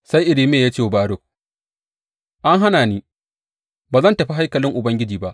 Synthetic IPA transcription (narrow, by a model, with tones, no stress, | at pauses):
sa˦jʔɪ˨ɽɪ˦meː˦˨jaː˦t͡ʃeː˦˨baː˦ɽo˨k | ʔa˦ŋɦa˦naː˨niː˦ | baː˨zɐ˦˨ntɐ˨ɸi˦ɦa˦jkɐ˨lɪ˦ŋʔʊ˨bɐ˦ŋɡʲɪ˦d͡ʒiː˨ba˦ʔ